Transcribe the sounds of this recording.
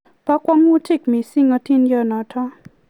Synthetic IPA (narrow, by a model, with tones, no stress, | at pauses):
pa˦kwa˦ŋu˦ti˦kmi˨si˦ŋɔ˦ti˦nd͡ʒɔ˦nɔ˨tʰɔ˦